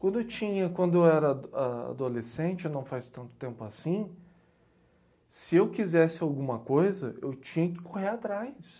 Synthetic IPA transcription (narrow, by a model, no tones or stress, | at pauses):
kʷwɐ̃nd̪ʊewt͡ʃĩɲɐkwɐ̃nd̪ʊewɛɾɐaa̰d̪olesẽt͡ʃɪenɐ̃w̃fast̪ɐ̃nt̪ʊ̥t̪ẽmpʊasĩ | sɪewkizɛsɪawɡũmɐkojzɐʔḛwt͡ʃĩɲɐkɪ̥koheat̪ɾajs